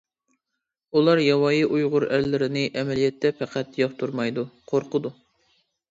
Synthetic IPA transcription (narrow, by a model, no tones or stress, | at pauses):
ulˠɑɾjɑwɑːjiʔujʁʊɾæɾlɪɾɪnɪʔɛmɛlijɛt̪ʰːɛpʰɛqʰæt̪joχt̪ʰuɾmɑjd̪uqʰoɾqʰəd̪u